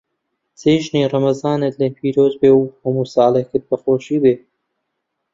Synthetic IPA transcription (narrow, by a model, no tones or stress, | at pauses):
t͡seːʒniːrɐmɐzɑːnɐt̪lepʰiːɾoːzbeːwhɐmusɑːlɐkɨt̪̚bɐxoːʃiːbeː